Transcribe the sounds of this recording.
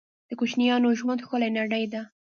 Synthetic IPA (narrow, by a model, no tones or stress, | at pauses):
d̪̥əkut͡ʃnijɑnoʒwand̪xəlajnaɽajd̪a